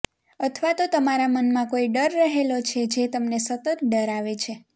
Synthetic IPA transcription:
ət̪ʰʋat̪ot̪əmaɾamənmãkoiɖəɾːəɦelot͡ʃʰed͡ʒet̪əmnesət̪ət̪ɖəɾaʋet͡ʃʰe

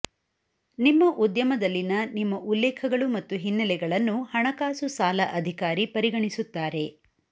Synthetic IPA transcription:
nimːɐʔud̪jɐmɐd̪ɐlːinɐnimːɐʔulːɛːkʰɐɡɐɭumɐt̪ːuɦinːɐlɛɡɐɭɐnːuhɐɳɐkaːsusaːlɐʔɐd̪ʱikaːɾipɐɾiɡɐɳisut̪ːaːɾe̞

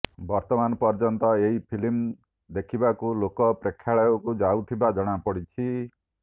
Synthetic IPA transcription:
bɔɾt̪ɔmanpɔɾd͡ʒɔnt̪ɔeɦipʰilim | d̪ekʰibakulokɔpɾekʰjaɭɔjɔkud͡ʒawt̪ʰibad͡ʒʌɽ̃apɔɽit͡ʃʰi

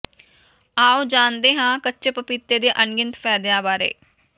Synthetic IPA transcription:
aːoːd͡ʒaːnd̪eːɦãːkətːt͡ʃepəpɪt̪ːeːd̪eːʔənɡɪnt̪pʰɛːd̪ɪjãːbaːɾḛː

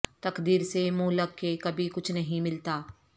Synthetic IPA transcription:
t̪ɐkd̪iːɾsemuːləkːekɐbʱikʊt͡ʃʰnɐɦĩmɪlt̪aː

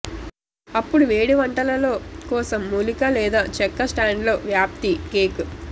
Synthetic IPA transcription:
ɐpːuɽuʋe̞ːɽiʋɐɳʈɐlɐlo̞ːkɔːsɐmːuːlikɐlɛːd̪aːt͡ʃɛkːɐsʈaːɳɖlo̞ːʋjaːp̚t̪ikeːku

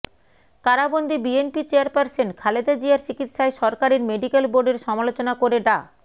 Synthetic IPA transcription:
kaɾabond̪ʱibienpit͡ɕeaɾpaɾsenkʰaled̪ad͡ʑiaɾt͡ɕikit̪ʃaeʃɔɾkaɾiɾmeɖikelboɾɖeɾʃɔmalot͡ɕonakoɾeɖa

